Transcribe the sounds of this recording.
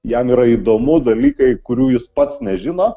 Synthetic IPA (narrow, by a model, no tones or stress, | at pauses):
jɛmiːɾɐid̪oːmʊd̪ɐlʲiːkɐɪkʊɾʲuːjɪspɐt̪snʲɛʒʲɪnoː